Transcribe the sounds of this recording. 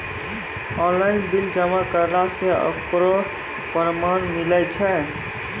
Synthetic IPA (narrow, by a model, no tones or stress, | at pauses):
ɔ̃nlainbild͡ʒəmakəɾnasẽə̰pɾo | pɾmanmilət͡ʃʰɛ